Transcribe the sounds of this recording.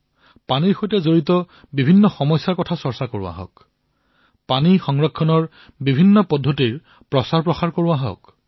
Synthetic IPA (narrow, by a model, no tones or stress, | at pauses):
paniɹxojtɛzoɹitɔ | bibʱinːɔxɔmɔjsːaɹkɔtʰasɔɹsakoɹua̰ɦɔ̰k | panixɔŋɹɔkʰːɔnɔɹ | bibʱinːɔpɔdʱːotiɹ | pɹɔsaɹpɹɔxaɹkoɹuaɦɔ̰k